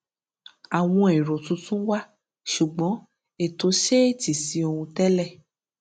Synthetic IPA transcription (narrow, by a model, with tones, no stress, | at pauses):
a˨w̃ɔ̃˧e˨ɾo˨tũ˨˦tũ˦wa˦ | ʃu˨ɡ͡bɔ̃˨˦ | e˨to˨˦ʃe˦e˦˨ti˨si˧˦o˧hũ˧tɛ˦lɛ˦˨